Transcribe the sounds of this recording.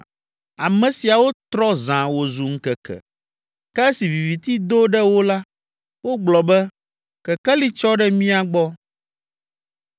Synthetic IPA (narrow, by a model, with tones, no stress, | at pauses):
a˨mɛ̃˨si˨a˨wo˦t̪ɾɔ˦zã˨wo˨zu˨ŋ̩˦kɛ˨kʰɛ̰˨ | kɛ˦si˨vi˨vi˨t̪i˦d̪o˦ɖɛ˦wo˦la˦ | wo˦ɡ͡blɔ˨bɛ˦ | kɛ˨kɛ˦li˦t͡ʃɔ˦ɖɛ˦mĩ˦a˨ɡ͡bɔ˦